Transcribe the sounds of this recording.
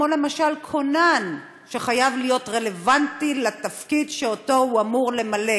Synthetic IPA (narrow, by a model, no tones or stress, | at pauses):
mo̞le̞maʃalkʰo̞nan | ʃeχajavlijo̞tʁe̞le̞vantilatafkidʃeoto̞huamuʁle̞male